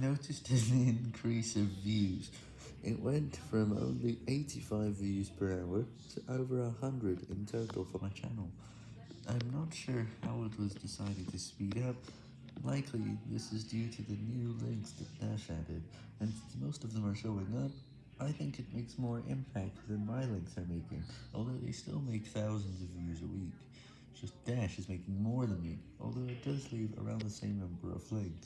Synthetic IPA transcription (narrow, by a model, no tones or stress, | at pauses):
noʊɾɨstɨ̃nɪ̃nkʰɹ̥isʌvjʉz̥ | ʔɪʔwɛ̃ntfɹʌ̃mõ̰ʊ̃nliʔeɪɾifaɪvjʉz̥pʰə˞aʊə˞ | tʰɨʔoʊvə˞əhʌ̃ndɹɨɾɪ̰̃ntʰəʊɾˡl̩ˠfə˞maɪt͡ʃʰæ̰nl̩ˠ | ʔãɪ̃mnətʃʊɹhaʊɪt̚wʌzdɨsaɪɾɨd̚tʰɨspiɾʌp̚ | laɪkʰliðɪ̰sɨzdjʉɾɨðɨnʉlɛ̃ŋksðɨ̰t̚d̥æʃæɾɨɾ | ɨ̃nsɪ̃nsmoʊstʌvðə̃mə˞ʃoʊɪ̃ŋðəɾ | ʔaɪθɪ̃ŋkɨt̚meɪksmɔɹʔɪ̰̃mpʰæk̚t̪̚ðɨ̃nmaɪlɛ̃ŋksə˞meɪkɪ̰̃ŋɔ̰lˠðoʊðḛɪstɪ̰lˠmeɪk̚θaʊzn̩zʌvjɪzəwik | d̥ʒ̥ʌsd̥æʃɨzmeɪkɪ̃ŋmɔɹðə̃nmḭɔ̰lˠðoʊɨt̚d̥ʌzlivə̰˞ã̰ʊ̃nðəsẽɪ̃mnʌ̃mbə˞ʌ̰vlɪ̃ŋkθ